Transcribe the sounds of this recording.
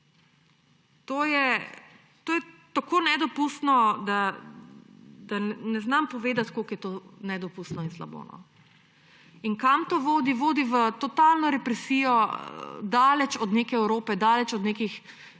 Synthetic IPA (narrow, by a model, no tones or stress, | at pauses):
t̪oːjɛ | t̪oːjɛt̪akonɛd̪ɔpust̪nɔd̪a | d̪anɛznampɔʋeːd̪at̪kolkjɛt̪oːnɛd̪ɔpust̪nɔinsla̰bo̰ːnɔ̰ | inkamt̪oʋoːd̪iʋoːd̪iʋət̪ɔt̪alnɔɾɛpɾɛsiːjɔ | d̪aːlɛt͡ʃɔd̪nekɛɛwɾoːpɛd̪aːlɛt͡ʃɔd̪nekix